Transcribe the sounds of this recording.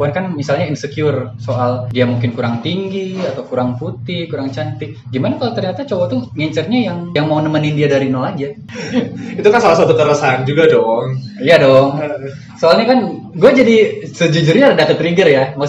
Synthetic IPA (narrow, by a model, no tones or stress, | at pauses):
buankanmisalɲaɪnsəkjʊrsoʔaldiamuŋkɪnkuɾaŋt̪iŋɡiat̪awkuɾaŋput̪ɪhkuɾaŋt͡ʃant̪ɪk̚ɡimanakalot̪ərɲat̪at͡ʃowat̪uŋɛɲt͡ʃərɲajaŋjaŋmaunəmənɪndiadaɾinolad͡ʒa | it̪ukansalas̬wat̪ut̪əɾəsand͡ʒuɡadɔŋijadɔŋ | soalɲakan | ɡuad͡ʒadisəd͡ʒud͡ʒurɲaɾədat̪ət̪ɾiɡərjama